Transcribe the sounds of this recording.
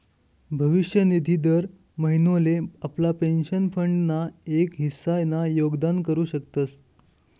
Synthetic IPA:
bʱəʋiɕjənid̪ʱid̪əɾ | məɦinoleaplapenɕənfəɳɖnaekɦisajnajoɡd̪ankəɾuːɕək̚t̪ət͡s

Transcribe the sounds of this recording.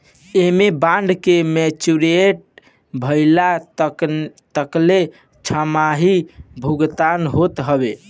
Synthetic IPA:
emebãɳɖkemɛt͡ʃuɾeʈ̚ | bʱəɪla | t̪əkle | t͡ʃʰamaɦibʱuɡt̪anɦot̪ɦəbe

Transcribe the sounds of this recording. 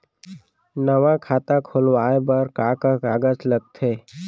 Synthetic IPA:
nəʋãkʰaːt̪akʰoːlwaːebəɾkaːkakaːɡət͡ʃləɡ̚t̪ʰeː

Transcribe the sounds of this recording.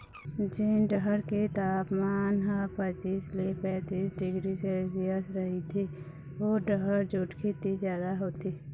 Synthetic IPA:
d͡ʒɪnɖəɦəɾket̪aːpmaːnɦãpət͡ʃ̪iːslepɛ̃ːt̪iːsɖɪɡɾiseziəsɾəɦit̪ʰi | ʋoɖəɦəɾd͡ʒʊʈkʰet̪izjaːd̪aɦoːt̪iː

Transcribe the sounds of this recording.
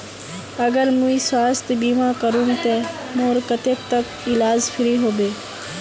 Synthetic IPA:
əɡəɾmũiswaːst̪biːmãːkəɾũːnt̪eː | moːɾkət̪eːk̚t̪ək | ɪlaːd͡ʒpʰɪɾiːɦoːbeː

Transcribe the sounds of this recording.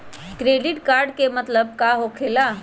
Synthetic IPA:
kɾeːɖɪʈkaːɾɖkemət̪ləb̚kaɦokʰeːlaː

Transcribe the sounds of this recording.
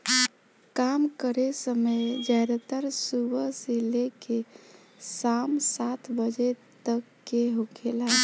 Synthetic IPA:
kamkəɾesəmed͡ʒajɾət̪əɾsubəsileke | samsat̪ʰbəd͡ʒet̪əkːeɦokʰela

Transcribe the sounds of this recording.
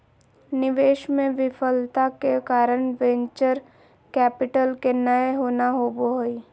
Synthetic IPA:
nɪʋeːʃmẽʋɪfʰəlt̪akekaːɾəɳ̃ʋɛ̃ɲt͡ʃəɾ | kɛːpɪʈəlkenəeɦoːnaɦoːboɦoi

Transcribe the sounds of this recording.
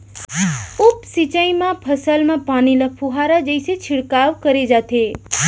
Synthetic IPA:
upsit͡ʃəimãpʰəsəlmãpanilapʰuɦaɾad͡ʒəjset͡ʃʰɪɽkaʋkəɾed͡ʒat̪ʰe

